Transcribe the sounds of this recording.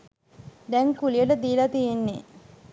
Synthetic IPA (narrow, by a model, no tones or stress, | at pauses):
d̪ɛŋkulijəʈəd̪iːlat̪ijenːe